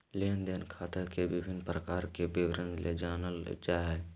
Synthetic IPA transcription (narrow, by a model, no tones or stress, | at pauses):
leːənd̪enkʰaːt̪əkebɪbʱɪnpɾəkaːɾkebɪwɾənlḛd͡ʒaːnəld͡ʒaːɦɛ